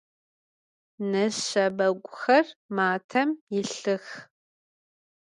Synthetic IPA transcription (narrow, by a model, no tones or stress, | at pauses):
nɐɐbɐɡʷʼʊxɐrmaːtʰɐmjɪɬɨx